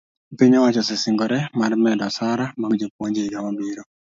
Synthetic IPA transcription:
piɲɔwat͡ʃɔsɪsɪŋɡɔɾɛmarmɛdɔsaɾamaɡd͡ʒopwoɲd͡ʒeɡamabiɾo

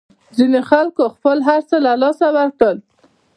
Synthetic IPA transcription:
zinexalkoxpəlɦaɾt͡səlalɑsawaɾkəl

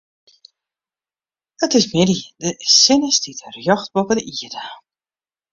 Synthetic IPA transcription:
ətɪsmɪdidəsɪnəstitrjɔxt̚bopədəʔiədə

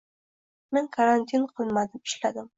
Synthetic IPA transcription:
meŋkʰaɾant̪ʰinqʰɨlˠmad̪ɪmɪ̥ʃlad̪ɪm

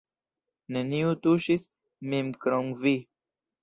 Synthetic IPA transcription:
neniut̪uʃis | mimkɾoŋvi

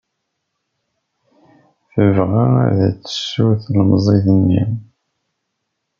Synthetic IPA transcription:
θəvʁaæ̰ðæ̰t͡sːə̥sːuθlmzˤiðənːḭm

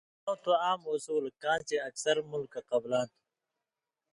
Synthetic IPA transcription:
õwt̪oaːmoːsuːlkãːnt͡ɕeɐksɐɾmulkaqɐblaːn

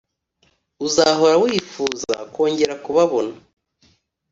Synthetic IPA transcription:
uzaɦo̞ɾawiːfuːza̰kwo̞ːɲɟe̞ɾakuβaβo̞na

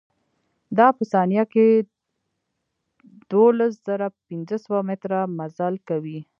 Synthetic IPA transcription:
d̪ɑpəsɑnjake | d̪̥olas̬z̥əɾapɪnzəsəwamɪt̪ɾamazalkawi

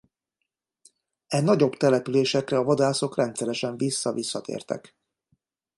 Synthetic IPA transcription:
ɛnɒɟo̞bt̪ɛlɛpyleːʃɛkrɛɒvɒd̪aːso̞krɛnt̪sɛɾɛʃɛɱvisːɒvisːɒt̪ḛːrt̪ɛ̰k

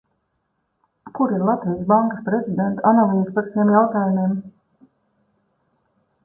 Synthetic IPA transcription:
kuɾiɾlˠat̪vijasbaŋkaspɾezʲid̪ent̪analˠiːzpaɾʃimjawt̪aːjumim

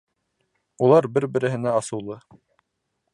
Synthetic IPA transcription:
ulˠɑɾbɘɾbɘ̆ɾɘ̆ɦɘ̆næɑsɤ̆wlˠɤ

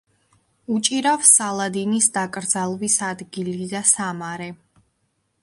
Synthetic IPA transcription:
ut͡ʃʼiɾafsalˠad̪inisd̪akʼɾd̪zalˠvisad̪ɡilid̪asamaɾɛ

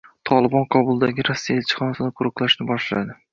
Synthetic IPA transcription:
t̪ʰɒlˠɪbɒnqʰɒbʊlˠd̪aɡʲɪɾɒsːijaelt͡ʃʰɪ̥χɒnasɪd̪aqʰʊɾɨqlˠaʃnɪbɒʃla̰d̪ɪ

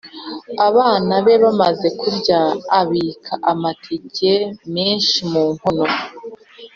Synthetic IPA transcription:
aβaːnaβe̞βamaze̞kuɾɟaːβiːkʰaʔamatʰiɟemeːnʃimuːmho̞no̞

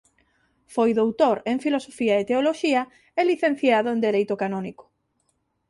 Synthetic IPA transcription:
fojðowt̪oɾeŋfilosofiɐet̪eoloʃiɐ | eliθẽn̟θjaðʊend̪elejt̪ʊkanɔnikʊ̥

